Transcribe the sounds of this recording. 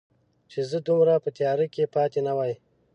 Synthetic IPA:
t͡ʃezəd̪umɾapət̪jɑɾikepɑːt̪enawɑj

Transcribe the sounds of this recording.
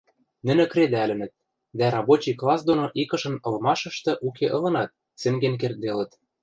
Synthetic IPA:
nɘ̆nɘ̆kɾed̪ælɘ̆nɘ̆t̪̚ | d̪æɾɑbot͡ɕijklˠɑsd̪onoʔikɤ̆ʃɤ̆nɤ̆lmɑʃɤ̆ʃt̪ɤ̆ʔukʰeʔɤ̆lɤ̆nɑt̪̚ | sɘ̆ŋɡenk̬erd̪elə̆t̪

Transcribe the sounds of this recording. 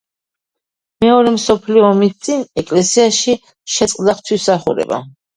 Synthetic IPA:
mɛɔɾɛmsɔpʰliɔːmist̪sʼinɛkʼlɛsiaʃi | ʃɛt̪sʼqʼd̪aχt̪ʰwisaχuɾɛ̰ba̰

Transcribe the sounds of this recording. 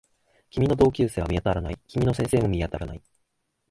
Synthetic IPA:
kʲimʲino̞d̪o̞ːkʲɨːse̞ːβamʲijat̪aɾanaikʲimʲino̞sẽse̞ːmo̞mʲijat̪aɾanai

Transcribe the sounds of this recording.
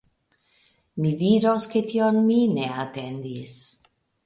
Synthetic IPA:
miðiɾosket̪ionmineat̪end̪is

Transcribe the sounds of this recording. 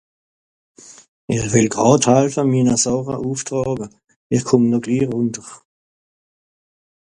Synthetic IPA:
ɪχʋɪlɡ̥ʁɑːthalfəmiːnəsɔʁɐʔuːftʁɑːɡə | ɪχkʰʊmnɔɡ̥liːʁʊntəʁ

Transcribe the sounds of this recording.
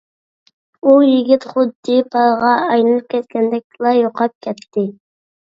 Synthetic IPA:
ujɪɡʲit̪χʊd̪ːɪpʰɑlʁɑɑjnɨlˠɨp̚kʲʰɛt̪kʲɛnd̪ɛk̪ʲlˠɑjoqʰɑp̚kʲʰɛt̪ʰːɪ

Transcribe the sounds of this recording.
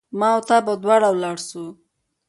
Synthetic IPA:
mɑwt̪abad̪wɑɽawlɑɽsu

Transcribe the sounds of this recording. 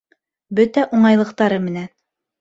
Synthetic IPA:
bɵt̪æʔuɴɑjlˠɤ̆qt̪ɑɾɤmɘ̆næn

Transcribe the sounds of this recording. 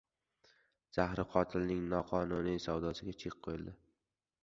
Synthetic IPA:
z̥ahɾɪqʰɒt̪ʰɪlnɪŋnɒqʰɒnunisawd̪ɒsɪɡʲat͡ʃʰeq̚ʰːojɪld̪ɪ

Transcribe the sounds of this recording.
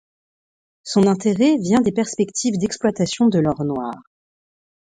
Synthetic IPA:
sɔ̃nɛ̃t̪eʁɛvjɛ̃d̪epɛʁspɛkt̪ʰivd̪ɛksplwat̪asjɔ̃d̪əlɔʁnwa̰ːʁ

